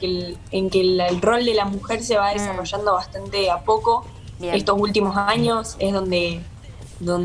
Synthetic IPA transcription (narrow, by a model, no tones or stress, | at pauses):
keeŋkelro̞ld̪e̞lamuxe̞ɾse̞βaðesaro̞ʒand̪o̞β̞ast̪ant̪e̞apo̞ko̞ | est̪o̞s̬ult̪imosaɲo̞sehðo̞nd̪e̞ | ðon